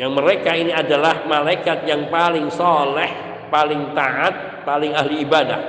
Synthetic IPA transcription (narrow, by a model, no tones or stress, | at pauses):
jaŋməɾekainiadalahmalajkat̪̚jaŋpalɪŋsɔlɛh | palɪŋt̪aʔat̪̚ | palɪŋaɦliːbada̰h